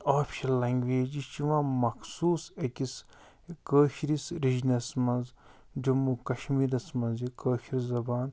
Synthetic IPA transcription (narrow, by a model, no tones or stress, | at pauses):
aːpʰʃɐnlɐŋɡʋeːd͡ʒit͡ʃiʋãmɐkʰsuːsekis | kəːʃɾisɾid͡ʒnɐsmɐnz | d͡ʒɐmukɐʃmiːɾɐsmɐnzikəːʃiɾzɐbaːn